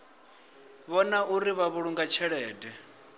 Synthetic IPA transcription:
βɔnaʔuɾiβaβuɺuŋɡat͡ʃʰɛɺɛːdʼɛ

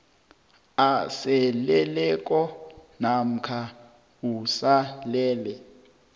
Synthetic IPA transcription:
asɛlɛlɛk̬ʼɔnam̩kʰa | usalɛːlɛ

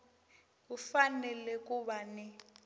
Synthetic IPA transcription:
ufanɛlɛk̬ʼuɓanɛ

